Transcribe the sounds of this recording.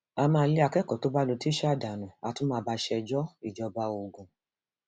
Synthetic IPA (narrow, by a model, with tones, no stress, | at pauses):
a˧mãː˦˧˦le˦a˧kɛ˦˨kɔ˨to˦ba˦lo˧ti˦ʃda˨nũ˨a˨˧tũ˦mãː˧ba˧ʃɛ˧d͡ʒɔ˦i˦˨d͡ʒɔ˧ba˧o˨ɡũ˨